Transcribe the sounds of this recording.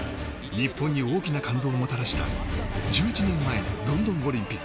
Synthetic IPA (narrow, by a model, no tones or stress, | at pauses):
ɲ̟ipːõ̞ɲ̟ːio̞ːkʲinakãnd̪o̞ːmo̞t̪aɾaɕi̥t̪a̰d͡ʑɨːit͡ɕinẽ̞mːae̞d̪õ̞nd̪õ̞ŋo̞ɾʲĩmpʲikː